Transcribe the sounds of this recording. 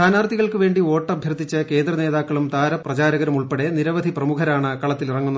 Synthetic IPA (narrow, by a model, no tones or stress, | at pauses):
aːnaːrt̪iɣɐɭkɨʋe̞ːɳɖioːʈːɐbʱjɐrt̪ːit͡ɕːɐke̞ːnd̪rɐne̞ːðaːkːɐɭumt̪aːɾɐprɐt͡ɕaːɾɐɣɐɾɐmuɭpeɽeniɾɐʋɐd̪ʱiprɐmukʰɐɾaːɳɨkɐɭɐt̪ːilirɐŋːunːɐ